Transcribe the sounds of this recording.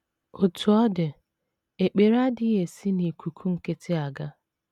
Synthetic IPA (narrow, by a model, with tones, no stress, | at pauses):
o˨tʰu˨ɔ˦dɪ˨ | e˨k͡pe˨ɾa˦dɪ˦e˨si˦ni˨kʰʷu˨kʰu˦ŋ̩˨ke˦tʰe˦a˨ɡa˦